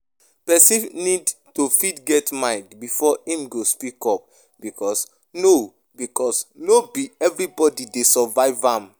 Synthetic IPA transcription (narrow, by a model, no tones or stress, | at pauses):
pɛsĩnnid | tofidɡɛtmãɪ̃ndbifɔĩmɡospikɔp̚ | b̥ikʰɔs | no | bikɔsnobiɛvɹibɔdidesɔvaɪvãm